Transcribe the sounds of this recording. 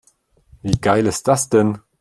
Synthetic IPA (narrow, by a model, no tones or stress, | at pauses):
viːɡ̥aɪlɪst̚d̥asd̥ɛn